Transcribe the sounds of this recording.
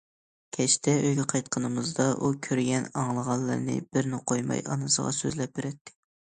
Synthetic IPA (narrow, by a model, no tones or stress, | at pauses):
kʲʰɛʃt̪ʰɛøjɡʲɛqʰɑjt̪̚qʰənɨmɨzd̪ɑʔukʲʰøɾɡʲɛnɑŋlˠəʁɑllˠːɨ̰ɾnɨ̰bɪɾnɪqʰojmɑ̰jɑ̰nɨsə̰ʁɑ̰sø̰zlɛp̚beɾɛt̪ʰːɪ̥